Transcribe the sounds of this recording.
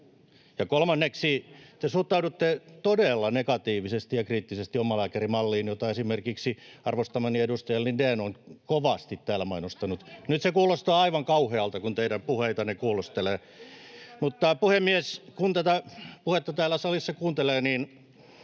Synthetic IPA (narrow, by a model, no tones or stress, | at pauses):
jɑkolmɑnːeksit̪esuht̪ːˑɑudut̪ːet̪odelːɑnekɑt̪iːʋisest̪ijɑkriːt̪ːisest̪iomɑlæːkerimɑlːiːnjot̪ɑesimerkiksiɑrʋost̪ɑmɑniedust̪ɑjɑlnindæːnoŋkoʋɑst̪it̪tæːlæmɑinost̪ɑnut̪nyt̪sekuːlost̪ɑːɑiʋɑŋkɑuheɑlt̪ɑkunt̪eidæmpuheit̪ɑnekuːlust̪eleː | mut̪ːɑpuhemːieskunt̪æt̪æpuhet̪ːɑt̪æːlːˑæsɑlisːɑkuːnt̪eleːniːn